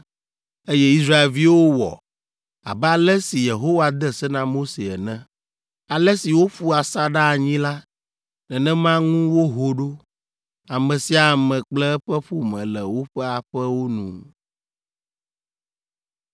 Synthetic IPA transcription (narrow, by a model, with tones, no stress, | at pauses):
e˦jɛ˦i˦s̬ɾa˦e˨lvi˦wo˦wɔ̰˨ | a̰˨bɛ˦a˨lɛ˦si˨je˨ɦo˦wa˨d̪ɛ˦sɛ˦nã˦mo˦se˨ɛ̰˨nɛ̃˦ | a˨lɛ˦si˨wo˦ɸu˦a˨sa˦ɖa˦˨ɲĩ˦la˦ | nɛ̃˨nɛ̃˦mã˦ŋũ˦wo˦ɦo˨ɖo˦ | a˨mɛ̃˨si˦a˨mɛ̃˨k͡plɛ˦ɸɛ˦ɸu˦mɛ̰̃˨lɛ˨wo˦ɸɛ˦a˨ɸɛ˦wo˦nṵ̃˨